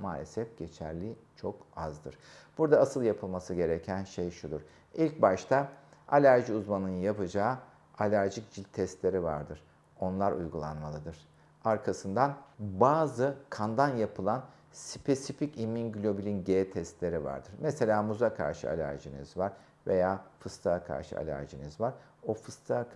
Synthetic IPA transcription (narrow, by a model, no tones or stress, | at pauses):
maːlʲḛsɛfɟ̥e̞t͡ʃʰæ̰ɾlʲit͡ʃʰo̞kazd̪ɯ̰ɾ̥b̥uɾd̪aasɯlˠjapʰɯlˠmasɯɟe̞ɾecʰænʃejʃud̪uɾ̥ | ilʲc̚baʃt̪ʰaalʲæɾʒiuzmanɯnjapɯd͡ʒaː | alʲæɾʒicd͡ʒilʲt̪ʰɛst̪lʲe̞ɾiva̰ɾd̪ɯɾ̥ | o̞nlˠaɾʔṵjɡulˠanmalˠɯd̪ɯɾ̥ | aɾkʰasɯnd̪anbaːzɯkʰand̪anjapʰɯlˠan | spʰe̞sificiminɟlʲo̞bilʲinɟeːt̪ʰɛst̪lʲe̞ɾiva̰ɾd̪ɯɾmese̞lʲaːmuzakʰa̰ɾʃɯ̰a̰lʲæ̰ɾʒinḭzvaɾ̥ | ve̞̰jaːfɯst̪ʰaakʰa̰ɾʃɯ̰a̰lʲæ̰ɾʒinizvaɾo̞fɯst̪ʰa